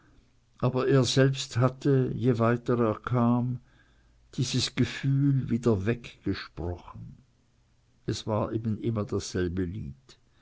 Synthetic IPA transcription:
ʔaːbɐʔeːɐzɛlpsthatəjevaɪtəʁeːɐkʰaːm | d̥iːzəsɡ̥əfyːlviːdɐvɛkɡ̥əʃpʁ̥ɔxn̩ | ʔɛsv̥aːɐʔeːbn̩ʔɪmɐdasz̥ɛlbəlḭːt

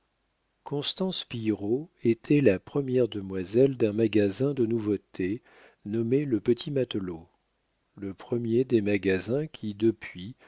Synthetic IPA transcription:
kɔ̃st̪ɑ̃spijʁoet̪ʰɛlapχəmjɛʁd̪əmwazɛld̪ɛ̃maɡazɛ̃d̪ənuvot̪ʰe | nɔmeləpət̪ʰimat̪lo | ləpχəmjed̪emaɡazɛ̃kʲʰid̪əpɥi

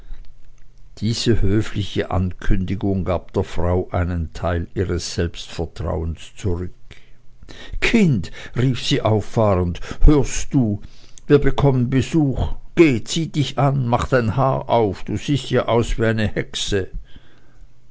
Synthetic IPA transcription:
d̥iːz̥əhøːflɪçəʔa̰nkʰʏndɪɡʊŋɡaːp̚d̥eːɐfʁ̥aʊʔaɪnəntʰaɪliːʁəsz̥ɛlpstfɛɐtʁ̥a̰ʊənst͡suʁʏk | kʰɪntʁiːfsiːʔaʊfːaːʁənthøːɐstd̥uːviːɐbəkʰɔmənbəzuːxɡ̥eːt͡siːd̥ɪçʔanmaχd̥aɪnhaːʔaʊfd̥uːz̥iːstjaːʔaʊsv̥iːaɪnəhɛksə

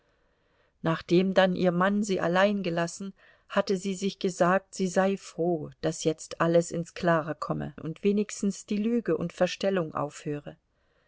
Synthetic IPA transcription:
naːχd̥eːmdanʔiːɐmanziːʔa̰laɪnɡəlasn̩ | hatəziːzɪçɡ̥əzaːk̚tz̥iːzaɪfʁ̥oːd̥asjɛt͡stʔaləsɪnskl̥aːʁəkʰɔmə̰ʔʊ̰ntv̥eːnɪçstn̩sd̥iːlyːɡəʔʊ̰ntfɛɐʃtɛlʊŋʔa̰ʊfhøːʁə

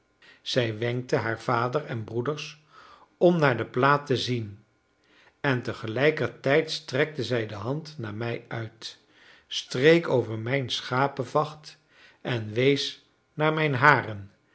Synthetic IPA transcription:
z̥ɛjʋɛŋk̚təɦaːɹv̥aːdərɛnbrudəɹs | ɔmnaːɹdəplaːtəzin | ɛntəχəlɛjkəɹtɛjtstrɛk̚təzɛjdəɦɑntnaːɹmɛjœɥt | strejkowvəɹmɛjnsχaːpəvɑχt | ʔɛnʋejs | naːɹmɛjnɦaːrən

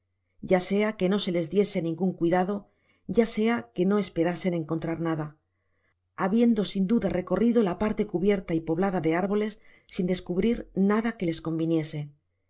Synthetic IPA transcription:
ɟ͡ʝase̞ake̞no̞se̞le̞zðje̞senĩŋɡuŋkwiðaðo̞ | ɟ͡ʝase̞ake̞no̞e̞spe̞ɾase̞ne̞ŋko̞nt̪ɾaɾnaða | aβje̞nd̪o̞sind̪uðare̞ko̞riðo̞lapaɾt̪e̞kuβje̞ɾt̪aipo̞βlaðaðe̞aɾβo̞le̞sːind̪e̞skuβɾiɾnaðake̞le̞sko̞mbinje̞se̞

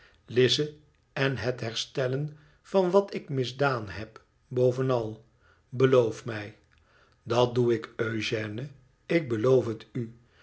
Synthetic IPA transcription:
lɪzə | ɛnɦətɦɛɹstɛlən | v̥ɑnʋɑtɪkmɪzdaːnɦɛp | bowvənɑlˠ | bəlowfmɛj | dɑt̚duɪkøɥʒɛːnə | ɪɡ̚bəlowfɦəty

